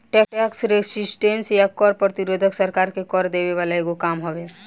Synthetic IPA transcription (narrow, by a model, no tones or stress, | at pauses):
ʈɛɛksɾesɪsʈẽnsjakɔːɾpɾət̪iɾoːd̪ʱəksəɾkaːɾkekɔɾd̪eʋeʋaːlaeɡokaːmɦoʋe